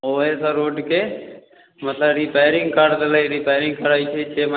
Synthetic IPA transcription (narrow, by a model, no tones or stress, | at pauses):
oːeːsaɾoːʈkeː | mət̪ləbɾipeːɾɪŋɡkaːɖd̪əlaːiɾiːpaːɾɪŋɡ̚kəɾaːit͡ʃʰet͡ʃeːmə